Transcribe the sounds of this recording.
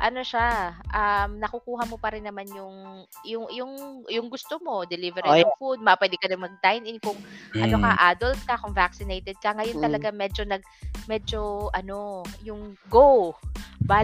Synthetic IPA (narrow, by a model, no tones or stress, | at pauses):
ʔɐno̞ʃaʔɐmnɐkʊkuːɦɐmo̞pɐɾɪnːɐmanjʊŋ | jʊŋjʊŋjʊŋɡʊst̪omo̞d̪ɛlivɛɾɪʊŋfud̪̚mɐpwɛːd̪ɪkɐd̪ɪŋmɐɡ̚t̪ajnʔɪnkʊŋʔɐnokɐʔaːd̪olt̪̚kɐkʊŋvaksɪnejt̪ɛd̪̚kɐŋɐjont̪ɐlɐɡamɛd͡ʒo̞nɐɡ̚mɛd͡ʒoʔɐno̞jʊŋɡowba